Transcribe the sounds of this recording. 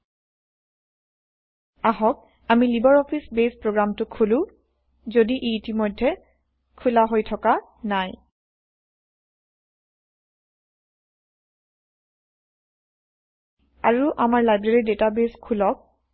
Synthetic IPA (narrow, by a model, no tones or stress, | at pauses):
aɦɔk̚ | amilibɔɹɔpʰisbespɹoɡɹamtʊkʰulʊ̃ | zodiʔeitimɔjdʱːɛ | kʰulaɦojtʰɔka | naj | a̰ɹuʔamaɹlajbɹeɹidetabeskʰulɔk̚